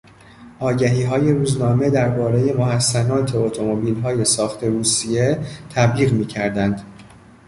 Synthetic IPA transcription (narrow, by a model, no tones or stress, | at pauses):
ʔɒːɟæɦiːɦɒːje̞ɾuːznɒːme̞d̪æɾbɒːɾe̞je̞moɦæsːænɒːt̪ʰe̞ot̪ʰo̞mo̞biːlɦɒːje̞sɒːxt̪ʰe̞ɾuːsije̞t̪ʰæbliːɣmiːcʰæɾd̪ænd̪̥